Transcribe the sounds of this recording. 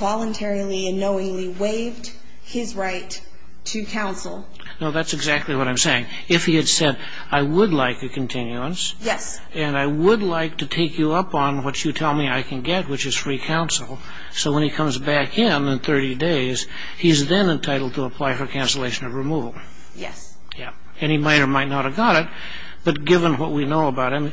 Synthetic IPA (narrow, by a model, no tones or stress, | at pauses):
vɑlˠə̃ntʰɛɹil̩ˠiɨnoʊɪ̃ŋliweɪvd̥̚ | ɪzɹaɪtʰ | ɨkʰãʊ̃nsl̩ˠ | noʊðætsɨɡzæk̚tˡliwʌɾãɪ̃mseɪɪ̃ŋ | ɪfhiɨd̥sɛɾ | aɪwədˡlaɪkɨkʰn̩tʰɪ̃njʉə̃nsjɛs | ɨ̃naɪwədˡlaɪk̚tʰɨtʰeɪkjɨʌpn̩wʌt͡ʃɨtʰɛlˠmiaɪkʰɨ̃n̩ɡɛt̚wɨt͡ʃɨz̥fɹikʰãʊ̃nsl̩ˠ | soʊwə̃nikʰʌ̃mzbækɪ̃nɨ̃nθɜ˞ɾideɪz̥ | izðɨ̃nɨ̃ntʰaɪɾl̩ˠd̚tʰəːpʰl̥aɪfə˞kʰæ̃nsəleɪʃɨ̃nʌvɹɨmuvl̩ˠ | jɛ̰s | jɛ | ɨ̃nimaɪɾə˞maɪtⁿnət̚ɨvɡɑɾɨt̚ | b̥ʌt̚ɡ̥ɪvə̃nwʌt̚winoʊəbaʊt̚hɨ̃m